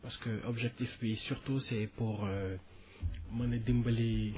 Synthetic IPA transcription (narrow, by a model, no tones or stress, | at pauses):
paʁsə̥kəʔɔbʒɛk̚t̪ifpisyʁt̪usɛpuʁø | mãnəd̪imbale